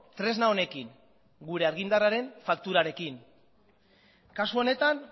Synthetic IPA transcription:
t̪ɾe̞znao̞ne̞kiŋ | ɡuɾe̞aɾɣind̪araɾe̞ɱfakt̪uɾaɾe̞kiŋ | kasuo̞ne̞t̪an

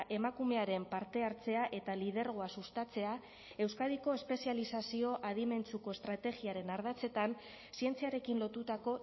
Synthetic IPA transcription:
ʔe̞makume̞aɾe̞mpaɾt̪e̞aɾt͡se̞aʔe̞t̪alið̞e̞ɾɣ̞o̞asust̪at͡se̞a | e̞wskað̞iko̞e̞spe̞sialisasio̞ʔaðime̞nt͡suko̞est̪ɾat̪e̞ɣiaɾe̞naɾð̞at͡se̞t̪an | sie̞nt͡siaɾe̞kinlo̞t̪ut̪ako̞

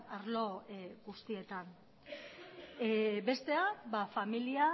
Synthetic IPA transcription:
aɾlo̞ɡust̪ie̞t̪an | be̞st̪e̞abafamilia

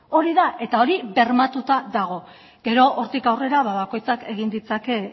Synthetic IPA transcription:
o̞ɾiðaʔe̞t̪ao̞ɾiβe̞ɾmat̪ut̪aðaɣ̞o̞ | ɡ̥e̞ɾo̞ʔoɾt̪ikawre̞ɾaβaβako̞jt͡sake̞ɣ̞ind̪it͡sake̞

